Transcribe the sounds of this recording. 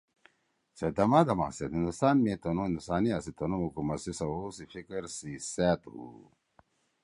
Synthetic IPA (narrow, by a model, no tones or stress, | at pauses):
sed̪ɐmad̪ɐma̰set̪ind̪ust̪aːnmet̪ɐnũĩnd̪usaːniɐsit̪ɐnumukumɐsisɐwosifikɐɾsiseːt̪hṵ